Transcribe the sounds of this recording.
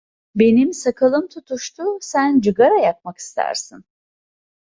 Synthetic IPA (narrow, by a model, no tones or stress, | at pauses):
be̞nimsakʰɯlˠɯmt̪ʰut̪ʰuʃt̪ʰusænd͡ʒɯɡaɾajak̚maki̥st̪ʰæ̰ɾsin